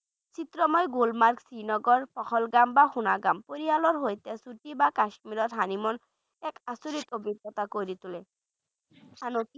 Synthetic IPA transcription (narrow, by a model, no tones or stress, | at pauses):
t͡ɕit̪ɾɔmɔjɡulmaɾksɾinɔɡɔɾpɔkʰɔlɡambaxunaɡampoɾialɔɾɦojt̪esuʈibakaʃmiɾɔɾɦanimɔn | ɛkasuɾit̪obid̪ɔt̪akojɾit̪ule | anoki